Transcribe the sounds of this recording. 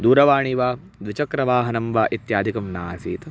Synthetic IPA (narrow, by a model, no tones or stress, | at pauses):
d̪uːɾɐʋaːɳiʋaː | d̪ʋit͡ʃɐkɾɐʋaːɦɐnɐmʋaːʔit̪jaːd̪ʱikɐmnaːsiːt̪